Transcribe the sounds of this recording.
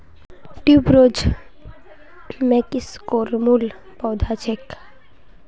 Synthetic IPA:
ʈuːbɾoːd͡ʒ | mẽkiskoːɾmul | pɔːd̪ʱat͡ʃʰek

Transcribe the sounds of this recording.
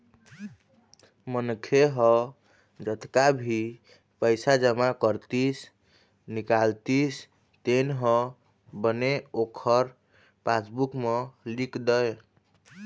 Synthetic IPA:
mənkʰeɦɔ | d͡ʒət̪kabʱi | pəjsad͡ʒəmakəɾt̪is | nikalt̪is | t̪enɦɔ̃ | bəneokʰəɾ | pasbukmelikd̪əj

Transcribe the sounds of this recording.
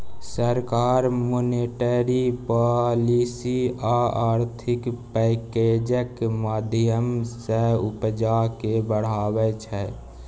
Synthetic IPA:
səɾkaːɾmoneʈəɾipalisiaaːɾt̪ʰɪkpɛked͡ʒəkmaːd̪ʱjəmsəʊpd͡ʒakebəɽ̤aːwɛt͡ʃʰɛ

